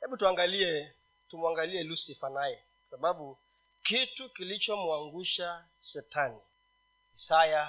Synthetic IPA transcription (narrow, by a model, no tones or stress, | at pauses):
hɛɓutuaŋɡaliɛ | tumuaŋɡaliɛlusifanajɛ | kwḁsaɓaɓu | kitukilit͡ʃɔmuaŋɡuʃa | sɛtʰani | saja